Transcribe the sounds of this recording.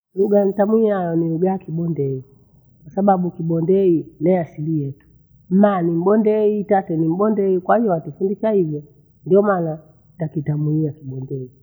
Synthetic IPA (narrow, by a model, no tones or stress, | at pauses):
luɡanitamwiajɔnijuɡaakiɓɔndɛi | kwasaɓaɓukiɓɔndɛinɛasilijɛtu̥ | m̩manim̩bɔndɛitatɛnim̩ɓɔndɛikwahijɔwatifundit͡ʃaivjɔ | ndiɔmana | takitamuiakiɓɔndɛi